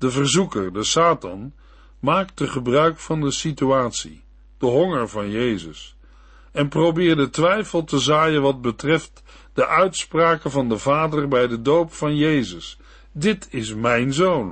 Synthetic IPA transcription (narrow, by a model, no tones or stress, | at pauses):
d̥əvərzukəɹdəsaːtɑn | maːk̚dəχəbrœɥkfɑndəsityaːtsḭ | d̥əɦɔŋəɹvɑnjejzəs | ɛnprowbɪːɹdətʋɛjfəlˠtəzaːjənʋɑd̚bətrɛft | d̥əʔœɥtspraːkəvɑndəvaːdərbɛjdədowpfɑnjejzəs | dɪtʰɪsmɛjnzown